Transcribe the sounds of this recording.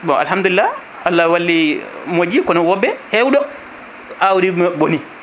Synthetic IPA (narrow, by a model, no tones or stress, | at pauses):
bɔʔa̰lɦamd̪ulilːa | alːawalːimod͡ʒikɔnɔwɔbːɛhɛwdɔ | awɾiboni